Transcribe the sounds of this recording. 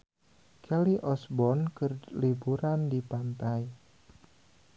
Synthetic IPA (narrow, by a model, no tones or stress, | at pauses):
kʰɛliʔɔsbɔnkərlibuɾandipant̪aj